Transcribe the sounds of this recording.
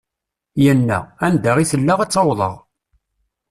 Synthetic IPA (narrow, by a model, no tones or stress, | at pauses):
jənːæ̰ænd̪aʁiθəlːaʁɑt͡sːɑwðˤə̰ʁ